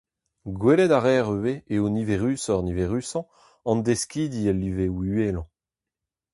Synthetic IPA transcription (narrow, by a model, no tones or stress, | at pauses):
ɡwelɛd̪aʁɛːʁøweeoniveʁysɔʁniveʁyːsɑ̃ | ɑ̃nd̪eskiːd̪iɛlːivewyelɑ̃